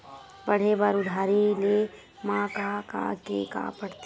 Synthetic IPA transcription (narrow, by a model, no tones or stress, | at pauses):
bɐɽ̤ebaːɾʊd̪ʱaːɾile | mãːkaka̰kḛka̰ːpɐɽt̪ː